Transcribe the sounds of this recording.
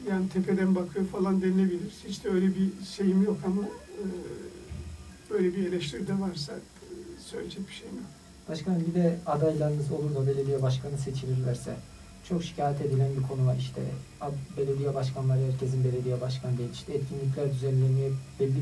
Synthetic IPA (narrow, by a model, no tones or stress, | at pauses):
jaːnit̪ʰepʰed̪ænbakʰɯjofalˠand̪enilʲe̞bilʲiɾiz̥hit͡ʃd̪ɛøjlʲɛbiʃejimjo̞kʰama | b̥øjlʲebielʲɛʃt̪ʰiɾd̪ɛvaɾsa̰ | søjlʲed͡ʒɛc̚bi̥ʃejmjok | b̥aʃkʰanɟid̪ɛad̪ajlˠaɾɯnɯzo̞lˠuɾzabe̞lʲe̞d̪ijɛbaʃkʰanɯse̞t͡ʃʰilʲiɾlʲæɾsɛ̰ | t͡ʃʰo̞kʃi̥cʰaːjɛt̪e̞d̪ilʲænbikʰo̞nuvaiʃt̪ʰɛ̰ | abe̞lʲe̞d̪ijɛbaʃkʰanlˠaɾɯhæɾcʰe̞zinbe̞lʲe̞d̪ijɛbaʃkʰand̪ʲijini̥ʃt̪ʰɛːt̪cʰinlʲic̬lʲæɾd̪yzɛllʲːemijɛb̥ɛlʲːi